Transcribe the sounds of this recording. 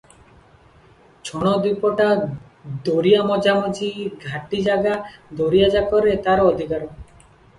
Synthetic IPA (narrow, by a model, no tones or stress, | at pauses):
t͡ʃʰɔɽ̃ɔd̪upɔʈa | d̪oɾijamɔd͡ʒamɔd͡ʒiɡʱaʈid͡ʒaɡad̪oɾijad͡ʒakɔɾet̪aɾɔːd̪ʱikaɾɔ